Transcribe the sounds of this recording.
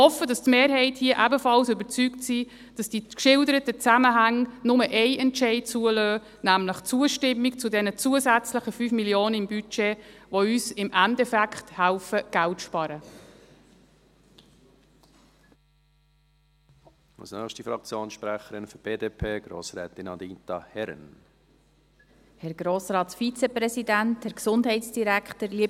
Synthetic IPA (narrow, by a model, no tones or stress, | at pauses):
hɔfːədɑstmeːɾɦɛɪthiːəʔæbəfɑlsʏbəɾt͡syːktsi | d̥ɑsd̥ikʃɪldəɾətət͡sæməɦæŋnʊməʔɛɪʔɛntʃɛɪd̚t͡suəløː | næmləχt͡suəʃtɪmːikt͡sʊdɛnət͡suəzæt͡sləχəfyːfmiljoːnəɪmbyt͡ʃeʋoyːsɪmʔæntɛfækχthælfəɡ̥æltʃpɑɾə | ɑ̰lsnœχʃtifɾɑkt͡sjoːnsʃpɾæχəɾɪnfyb̥eːdeːpʰeːɡ̥ɾo̰ːsɾɛːt̪ɪnɑd̪iːntɑhɛɾə̰n | hɛɾɡ̥ɾoːsɾɑːtfit͡sɛprɛsidænthɛɾksʊndhɛɪsd̥iɾækχtəɾliə